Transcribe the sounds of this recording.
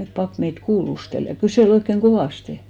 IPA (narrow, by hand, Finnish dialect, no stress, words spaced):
pɑp meit kuːlustel jɑ kyseˑl oikːeŋ ɡ̊oʋɑˑste